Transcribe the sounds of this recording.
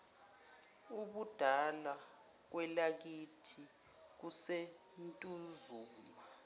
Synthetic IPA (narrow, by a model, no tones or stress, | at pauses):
uɓud̥ʱala | k̬wɛlak̬itʰi | k̬use | ntʼuzuːla